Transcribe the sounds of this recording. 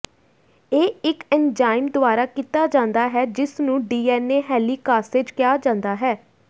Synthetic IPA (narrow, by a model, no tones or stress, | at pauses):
eːɪkɛnd͡ʒaːɪmd̪ʊaːɾaːkiːt̪aːd͡ʒãːnd̪aːɦɛːd͡ʒɪsnũːɖiːɛːneːɦɛːliːkaːsɪd͡ʒkjaːd͡ʒãːnd̪aːɦɛː